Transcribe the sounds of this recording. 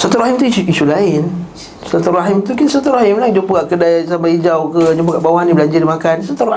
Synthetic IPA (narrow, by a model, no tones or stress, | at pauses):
sat̪uraɦimt̪uisuʔisulaɪn | sat̪uraɦɪmt̪ukɪnsat̪uraɦɪmlaŋd͡ʒupuɡaʔkədasampaid͡ʒawkəd͡ʒup̬uɡaʔbawaɦanibəlaɲd͡ʒardimakansat̪u